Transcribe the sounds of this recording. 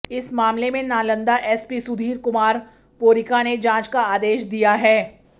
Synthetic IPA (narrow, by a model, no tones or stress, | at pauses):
ɪsmaːmlemẽnaːlə̃nd̪aʔɛːspisʊd̪ʱiːɾkʊmaːɾ | poːɾɪkaned͡ʒãːt͡ʃkaaːd̪eːʃd̪ijaɦɛː